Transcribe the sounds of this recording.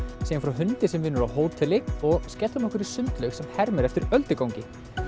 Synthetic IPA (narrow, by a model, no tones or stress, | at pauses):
siːanfɾawɦʏnt̪ɪsɛmvɪnːʏɾawɦoːwt̪ʰɪlːɪk̪ɔɣscɛːlt̪hamɔhkvɪɾɪ̥sʏnt̪lœɥxsɛmhɛɾmɛɾɛft̪ɪɾœlt̪ɪkawŋcɪ